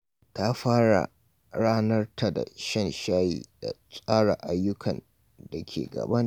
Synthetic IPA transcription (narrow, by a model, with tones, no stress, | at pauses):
ta˦ɸaː˦ɽa̰˨ | ɽaː˦nɐ˦rtʰa˨da̰˨ʃɐ˦˨nʃaː˦jḭː˨d̥a̰˨sʼaː˦ɽa˨ʔa˨jːʊ˦kʰɐ˨n | da˨kʲʰḛː˨ɡɐ̰˨bɐ˦n˦